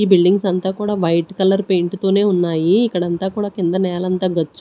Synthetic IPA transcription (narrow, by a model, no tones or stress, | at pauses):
iːbilɖiŋɡsɐnt̪aːkuːɽaːʋɐjʈkɐlɐɾpe̞ːɳʈt̪o̞ːne̞ːunːaːjiːkːɐɽɐnt̪aːkuːɽaːkind̪ɐnɛːlɐnt̪aːɡɐt͡ʃː